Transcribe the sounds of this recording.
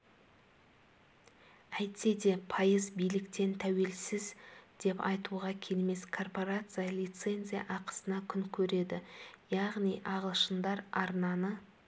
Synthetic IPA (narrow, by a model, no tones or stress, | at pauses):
æjt̪se̞d̪e̞pʰɑjəzbijlɪkt̪e̞nt̪ʰæwe̞lsɪzd̪̥e̞pɑ̰jt̪uʁɑkʲʰe̞lme̞skʰo̞rpo̞ɾat̪sɨjalijt̪se̞nʲzʲija̰ʔɑqə̥sənɑkʲʰʏŋkʲʰɵɾe̞d̪ɪjɑʁnijʔɑʁəlˠʃənd̪ɑɾɑɾnɑnə